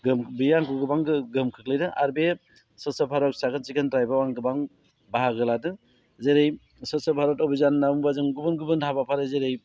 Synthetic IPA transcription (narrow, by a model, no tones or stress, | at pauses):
ɡɯmbijaŋkɯɡɯbaŋɡɯɡɯmkʰɯk̚lɯjdɯʔa̰ɾbe | sɯsapʰaɾɔk̚sakʰɯnt͡ʃikʰɯntɾajbawaŋɡɯbaŋ | baɦaɡɯladɯ | zeɾej | sɯsɔpʰaɾɔtɔbizanːauŋbazɯŋɡubɯnɡubɯntʰabapʰaɾɯzeɾej